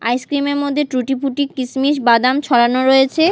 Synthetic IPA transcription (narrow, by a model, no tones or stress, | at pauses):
a̰jskɾimeɾmod̪ʱːeʈɾuʈipuʈikːismiʃ̬bad̪amt͡ɕʰɔɽanoɾoet͡ɕʰe